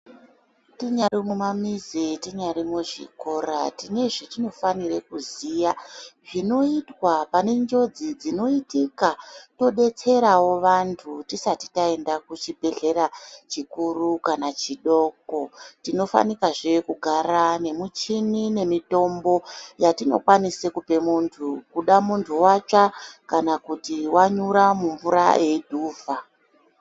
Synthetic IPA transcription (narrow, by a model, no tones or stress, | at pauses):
tiɲaɾimumamizitiɲaɾimuʐḭko̞ra̰tine̞ʐitino̞fanirekuzijaʐino̞itwapane̞ɲd͡ʒo̞d͡zid͡zino̞itikato̞ɗe̞t͡se̞ɾawo̞ʋantʰutisati̥tae̞ndakut͡ʃibʱe̞ɮe̞ɾat͡ʃikurukanat͡ʃiɗo̞ːkotino̞fa̰nikaʐekuɡʱaɾane̞mut͡ʃinine̞mito̞mbo̞jatino̞̰kwanisekupe̞muntʰukuɗamuntʰuwat͡ʂakanakutiwaɲuɾamuɱvuɾa̰je̞dʱuːva